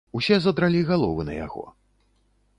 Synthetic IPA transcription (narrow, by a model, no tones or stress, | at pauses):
usʲɛzɐd̪ɾalʲiɣalˠɔvɨnɐ̰ja̰ɣɔ̰